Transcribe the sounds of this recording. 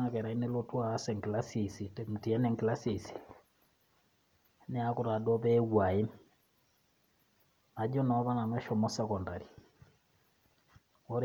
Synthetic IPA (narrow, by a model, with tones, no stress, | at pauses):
a˦kɛ˨ɾa˨i˦nɛ˦lo˦twaː˨˦sɛ˨ŋkla˦sisi˨tɛm̩˨ti˨a˦nɛ˨ŋkla˦si˨si̥˨ | nɛ˦a˦ku˨ɾa˨dɔ˦βɛ˦wa˨e˦m | a˨d͡ʒɔ˦nɔ˦βa˦na˨nwɛ˦ʃɔ˨mɔ˦sɛ˦kɔ˨nda˨ɾi˨ | ɔ˦ɾ